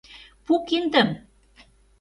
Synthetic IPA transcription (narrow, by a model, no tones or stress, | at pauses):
pukind̪ə̆m